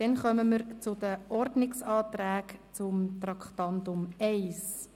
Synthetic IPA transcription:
d̥ɛnχœməməɾt͡sʊdəʔɔɾdnɪksɑːt̪ræːkt͡sʊmt̪rɑkt̪ɑnt̪ʊmɛɪs

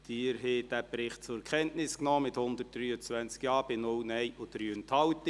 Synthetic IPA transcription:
d̥iːɾɦeːd̥æpɾɪχt̚t͡sʊɾkʰɛntnɪsknɔːmɪthʊnd̪ərt̚d̥ryːət͡sʋænt͡skjɑːb̥ɪnʊlnɛɪʔod̥ɾyːənthɑltə

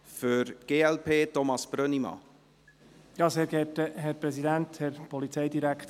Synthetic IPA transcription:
føɾɡ̥eːɛlpʰeːtɔmɑsb̥ɾœnimɑ̰ | jɑːseːɾɡɛtəɦɛɾpɾɛsidænthɛɾpɔlit͡sɛjdiɾækʰt

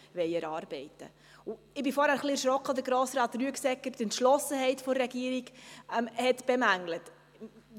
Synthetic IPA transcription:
vɛjɛɾɑːɾb̥ɛɪt̪ə̰ | u | ɪbɪfɔːɾhæːɾχliɛɾʃɾɔkχəd̪əɡɾɔːsɾɑːt̪ryəksɛkːəɾtɛntʃlɔsəɦɛɪtfɔːɛɡiəɾiɡɛmhɛt̪b̥ɛmæŋlət

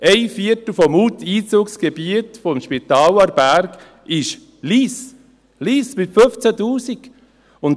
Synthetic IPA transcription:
ɛɪfiətl̩fɔmuːtʰiːt͡suːksɡ̥ɛbiətfɔmʃpitɑːlɑɾbæɾk | ɪʃ | liːs | liːsmɪtfʏft͡sætuːsik | ʊn

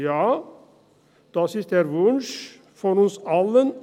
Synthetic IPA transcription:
jɑː | d̪̥ɑːsysd̪ɛæːɾʋʊnʃ | fɔɾʊsɑlən

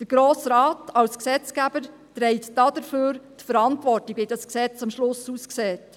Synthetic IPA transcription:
d̥əɾɡ̥ɾoːsɾɑːtʰɑwsksɛt͡skæb̥əɾ | tɾɛɪtd̥ɑd̥əɾføːɾtfəɾɑntʋɔrtiɡ̥vidɑsksɛt͡sɑmʃlʊsusksɛːt

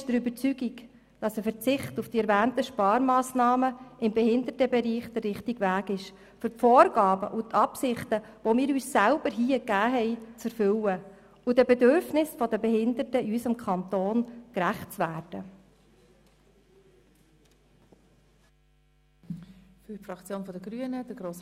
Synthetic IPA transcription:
ʃd̥əɾybəɾt͡syɡik | d̥ɑsəfəɾt͡sɪχtufd̥iɛɾvæːntəʃpɑːɾmɑːsnɑːməɪmbɛɦɪnd̪ətəbɛɾiːχd̥ərːɪχtiɡvæːɡɪʃ | fʏɾtfɔːɾɡɑːbə̰ʔut̪ʰɑpsɪχtəʋɔmɪːɾyːssælb̥əɾɦiːəkæːɦɛɪt͡sɛɾfʏwə | udəbɛdøɾfnɪsfɔdəbɛɦɪnd̪ətəiysəmkʰχɑnt̪oːnkɾæχtt͡sʋæːrd̥ə | fyfɾɑkt͡sjoːnfɔdəɡɾyənəd̥əɡɾoːs

